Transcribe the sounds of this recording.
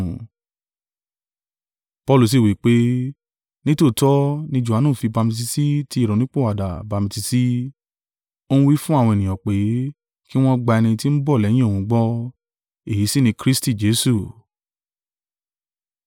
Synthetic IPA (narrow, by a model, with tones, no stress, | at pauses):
pɔ˧lu˨s̬i˨wi˨˦k͡pe˦ | nĩ˦to˦˨tɔ˦nĩ˦d͡ʒu˨a˨˦nũː˦˨fi˧ba˧mĩ˧t̬i˧si˦ti˦i˦˨ɾɔ˨nĩ˦k͡po˦˨wa˨da˨ba˨˧mĩ˧ti˧si˦ | o˦ũ˦wi˦fũ˦a˦˨wɔ̃˧e˨nĩ˨ɔ̃˨k͡pe˨˦ | ki˦w̃ɔ̃˦ɡ͡ba˧ɛ˧nĩ˧ti˦n̩˦bɔ˦˨lɛ˨˦j̃ĩ˦o˦˨wũ˧ɡ͡bɔ˦ | e˦˨i˨˦si˦nĩ˧kɾi˦sti˦˨d͡ʒe˨˦su˦˨